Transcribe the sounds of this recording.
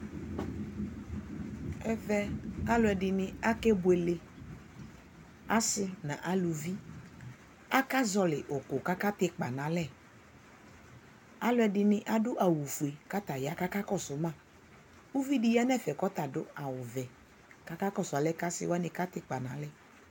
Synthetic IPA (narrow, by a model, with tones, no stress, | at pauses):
ɛ˦vɛ˦a˦lʊ˦ɛ˨dɪ˨nɪ̃˨a˦kɛ˦bʊ˨˦e˨le˨ | a˦sɪ˦nã̰˨ʔa˨lu˨vi˦ | a˦ka˦zɔ˨lɪ˨ʔo˨ko˨ka˦ka˦t̪ɪ˦k͡pa̰˨nã˨˦lɛ˦˨ | a˦lʊ˦ɛ˨dɪ˨nɪ̃˦ʔa˦dʊ˦ʔa˨wu˨fu˨e˨ka˦t̪a˨ja˦ka˦ka˦kɔ˦sʊ˨mã˦˨ | wu˦vi˦dɪ˦ja˦nɛ˦˨fɛ˨kɔ˦t̪a˨dʊ̰˦a˨wʊ˨vɛ˨ | ka˦ka˦kɔ˦˨sʊ˨a˨lɛ˦ka˦sɪ̰˦wa˦nɪ̃˨ka˦t̪ɪ˦k͡pa˨nã̰˨˦lɛ˦˨